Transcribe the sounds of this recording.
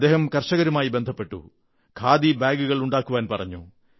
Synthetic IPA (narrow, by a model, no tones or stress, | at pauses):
d̪e̞ːhɐmkɐrʂɐɣɐɾumaːjibend̪ʱɐpːe̞ʈːṵ | kʰaːd̪ibaːɡuɣɐɭuɳɖaːkːuʋaːnpɐrɐɲːṵ